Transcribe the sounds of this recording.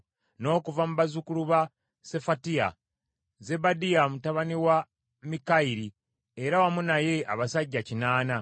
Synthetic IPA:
no̞ːkuvamuβazukuluβa | se̞fatia̰ | ze̞badijamutaβaniwa | mikaiɾi | eɾawamunaje̞a̰βasaɟːacinaːna

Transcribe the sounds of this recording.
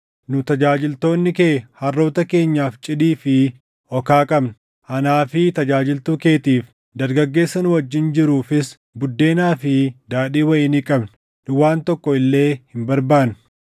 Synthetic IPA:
nʊt̪ɐd͡ʒaːd͡ʒɪlt̪o̞ːnːɪkeːhɐrːo̞ːt̪ɐke̞ːɲːaːft͡ʃʼɪdiːfɪ | ɔkaːkʼɐbn | ʔɐnaːfɪt̪ɐd͡ʒaːd͡ʒɪlt̪uːke̞ːt̪iːf | d̪ɐɾɡɐɡːe̞ːsːɐnʊwɐd͡ʒːɪnd͡ʒɪɾuːfɪs | bʊd̪ːe̞ːnaːfɪd̪aːɗiːwɐʔɪnɪkʼɐbn | ᶑʊwaːnt̪ɔkːɔɪlːe̞ːhɪmbɐɾbaːn

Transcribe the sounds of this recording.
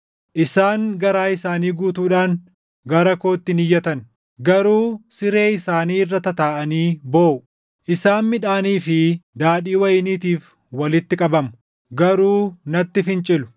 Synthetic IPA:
ʔɪsaːŋɡɐɾaːɪsaːniːɡuːt̪uːᶑaːŋ | ɡɐɾɐko̞ːt̪ːɪnɪjːɐt̪ɐn | ɡɐɾuːsɪɾe̞ːɪsaːniːɪrːɐt̪ɐt̪aːʔɐniːboːʔʊ | ʔɪsaːnmɪᶑaːniːfɪd̪aːᶑiːwɐjɪniːt̪iːf | wɐlɪt̪ːɪkʼɐbɐmʊ | ɡɐɾuːnɐt̪ːɪfɪnt͡ʃʼɪlʊ̥

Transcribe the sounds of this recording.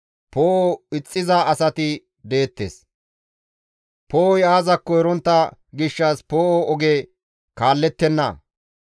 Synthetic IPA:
poːoɪt͡sʼːɪzɐɐsɐt̪ɪ | d̪e̞ːt̪ːḛːs | poːɔjaːzɐkːɔɛɾɔnt̪ːɐɡɪʃːɐspoːʔoɔɡeː | kaːlːɛt̪ːɛnːɐ̰

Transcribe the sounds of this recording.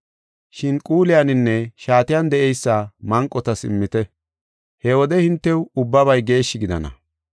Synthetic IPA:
ʃɪnkʼuːlɪjanɪnːɛʃaːt̪ɪjand̪ɛʔɛjsːaːmɐŋkʼːɔt̪ɐsɪmːɪt̪ɛ | hɛwɔd̪ɛhɪnt̪ːɛwʊbːɐβɐjɡe̞ːʃːɪɡɪd̪ɐ̰nɐ̰

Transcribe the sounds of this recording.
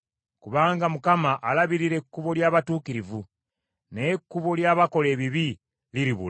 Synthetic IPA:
kuβaːŋɡamukamaʔalaβiɾiɾe̞kːuβo̞ljaːβatuːkiɾivu | ne̞kːuβo̞ljaːβako̞le̞ːβiβi | liɾiβṵla

